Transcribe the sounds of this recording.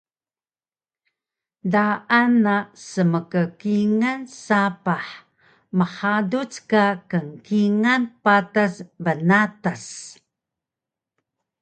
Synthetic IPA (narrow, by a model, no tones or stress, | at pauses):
daʔanasəməkəkiŋansapaħ | məħadut͡skakəŋkiŋanpatasbənatas